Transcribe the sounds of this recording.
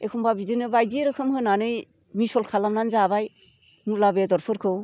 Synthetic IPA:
ekʰɔmbabidɯnɯbajdiɾɯkʰɯmhɯnanɯj | misɔlkʰalamnanzabaj | muɾlabedɔɾpʰɯɾkʰɯw

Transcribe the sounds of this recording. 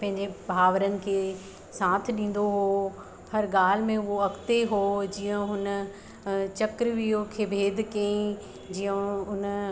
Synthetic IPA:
pɐ̃ɦɪ̃ɲd͡ʑebʱaːʋɾənɪ̆kʰeː | sãːt̪ʰɗĩːn̆d̪oɦo | hɐɾɡaːl̤ɪmẽʊɦoɐkt̪eɦoːd͡ʑiːə̃ɦʊn | t͡ɕɐkɾʋijokʰeːbʱeːd̪ʱkɐĩ | d͡ʑijə̃ʊn

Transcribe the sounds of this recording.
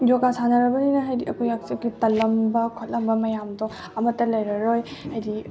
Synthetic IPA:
joɡasanɐɾɐbɐninɐɦajdiʔɐkʰujak̚siɐkʰjtɐlɐmbɐkʰɔt̚lɐmbɐmɐjamdɔ | ɐmɐtːɐlɐjɾɐɾojhajdi

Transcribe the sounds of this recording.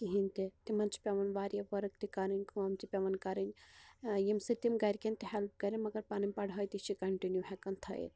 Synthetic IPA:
kiɦint̪it̪imɐnt͡ʃi̥pʲɐʋɐnʋaːɾijɐʋɐɾɐk̚t̪ikɐɾɐnʲkuɐmt͡ʃ̪ipʲɐʋɐnkɐɾɨnʲ | jimsit̪imɡɐɾʲkent̪iɦɛlp̚kɐɾinʲmɐɡɐɾpaːnimʲpɐɽɦɐːjt̪it͡ʃʰikɐɳʈinjuɦɛkɐnt̪ʰɐ̰ḭ

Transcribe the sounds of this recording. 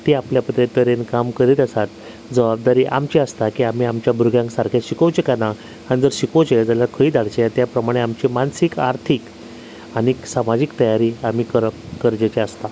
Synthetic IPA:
t̪iapljapəd̪et̪əɾenkamkəɾiːt̪əsat̪ | d͡zəbab̚d̪aɾiːʔa̰mt͡ɕiəst̪akiːam̤iːamt͡ɕjabʱuɾɡjãŋksaɾkʰeɕikəwt͡ɕekana | anid͡zəɾɕikəwt͡ɕed͡zalakʰəiːd̪aɽ̤t͡ɕeat̪japɾəmaɽ̃eamt͡ɕimansikaɾt̪ʰik | aniksamad͡ʑikt̪əjaɾiːam̤iːkəɾə | kəɾd͡ʑet͡ɕeəst̪a

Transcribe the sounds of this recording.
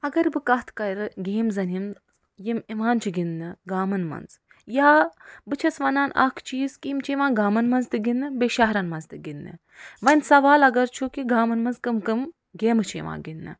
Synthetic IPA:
ɐɡɐɾbɨkɐɦt̪ʰkɐjɾɨɡeːmzɐnim | jimiʋaːnt͡ʃʰuɡinːɨɡaːmɐnmɐ̰nz | jaːbɨt͡ʃʰɐsʋɐnaːnɐ̰kʰt͡ʃiːzkiːmt͡ʃʰiʋãːɡaːmɐnmɐnzt̪ɨɡinːɨbeʃaɦɾɐnmɐnzt̪ɨɡinːɨ̰ | ʋɐnʲsɐʋaːlɐɡɐɾt͡ʃʰukiɡaːmɐnmɐnzkɨmkɨm | ɡeːmɨt͡ʃʰḭʋã̰ːɡinːɨ̰

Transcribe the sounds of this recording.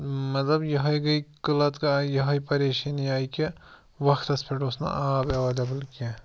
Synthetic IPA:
mɐt̪lɐbjɐɦɐjɡɐjkɨlɐt̪kɐjɐɦɐjpɐɾeːʃɐnjaːjke | ʋɐxt̪ɐspʰeʈosnɐ̰ʔaːbɐʋɐd̪ɐbɨlke

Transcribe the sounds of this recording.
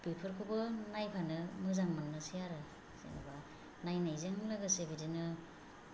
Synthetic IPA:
bepʰɯɾkʰubɯnajpʰanɯmɯzaŋmanːɯsijaɾɯ | sḛnɯ̰ba | najnajzeŋhɯŋlɯɡɯsebidinɯ

